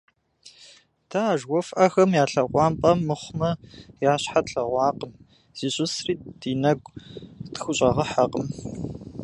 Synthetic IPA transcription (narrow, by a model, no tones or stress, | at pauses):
tʰɐːʒwʷɔfʔɐxɐmjaːɬɐʁʷɑːmpʼɐmːɨχʷmɐjaːɕħatɬɐʁʷɑːqəm | z̥iːɕʼɪsriːd̥iːnɐɡʷtxʊɕʼɐʁɐħaqʼəm